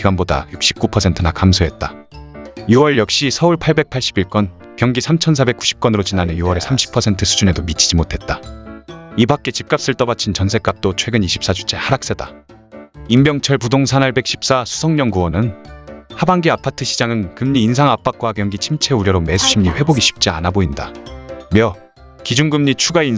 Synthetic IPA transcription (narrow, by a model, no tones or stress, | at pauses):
iɡanboda̰juk̚ɕ͈i̥p̚k͈upʰʌsʰe̞ntʰɯnakamsʰoɦe̞t̚t͈a | juwʌɭjʌk̚ɕ͈isʰʌuɭpʰaɭbe̞k̚pʰaɭɕ͈i̥biɭk͈wʌn | kjʌŋɡisʰamt͡ɕʰʌnsʰabe̞k͈u̥ɕʰi̥p̚k͈wʌnɯɾot͡ɕinanejuwʌɾe̞sʰamɕʰi̥pʰʌsʰe̞ntʰɯsʰud͡ʑune̞domit͡ɕ͈ʰi̥d͡ʑimotʰe̞t̚t͈a | ibak̚k͈e̞t͡ɕip̚k͈ap̚s͈ɯɭt͈ʌbat͡ɕʰint͡ɕʌnsʰe̞k͈ap̚t͈ot͡ɕʰwe̞ɡɯniɕʰi̥p̚s͈at͡ɕʰu̥t͡ɕʰe̞haɾak̚s͈eda | imbjʌŋt͡ɕʰʌɭpudoŋsʰanaɭbe̞k̚ɕ͈ʰi̥p̚s͈asʰu̥sʰʌŋɲʌŋɡuwʌnɯnhabaŋɡiapʰatʰɯɕʰid͡ʑaŋɯnkɯmɲiːnsʰaŋap͈ak̚k͈wakjʌŋɡit͡ɕʰimt͡ɕʰe̞uɾjʌɾome̞sʰuɕʰimɲiɸwe̞boɡiɕʰi̥p̚t͡ɕ͈ia̰naboinda̰mjʌ | kid͡ʑunɡɯmɲit͡ɕʰuɡain